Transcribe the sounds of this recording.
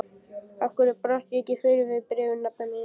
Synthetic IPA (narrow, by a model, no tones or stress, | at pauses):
afkʏɾʏpɾan̥t̪jɛcːɪfɪːɾɪvɪðpɾɛːvʏnnap̚nanɪ